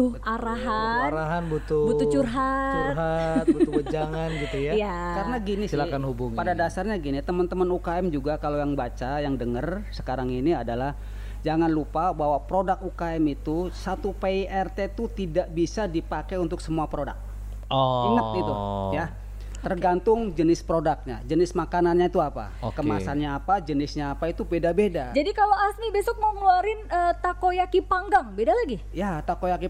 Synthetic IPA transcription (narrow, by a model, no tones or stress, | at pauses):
t̪uaɾaɦaaɾaɦanbut̪ubuut͡ʃurɦat͡ʃuɾɦat̪but̪uəd͡ʒaŋanɡit̪ujajakaənaɡinɪsilakanhubuŋpadadasarɲaɡinit̪əmənt̪əmənukaɛmd͡ʒuɡakalojaŋbat͡ʃajaŋdəŋərsə̥kaɾaŋiniadalah | d͡ʒaŋanlupabawapɾodak̚ukaɛmit̪usat̪upeiʔɛrt̪et̪ut̪idaʔbisadipakeunt̪ʊksəmuapɾoda̰k̚ | oiŋət̪it̪uja | t̪ərɡant̪ʊŋd͡ʒənɪspɾodak̚ɲa̰d͡ʒənɪsmakananɲait̪uapa̰kəmasanɲaːpad͡ʒənɪsɲaːpait̪ubedabedad͡ʒadikaloasnibesɔk̚məŋəluaɾɪnət̪akojakipaŋɡaŋbedalaɡi | jat̪akojaki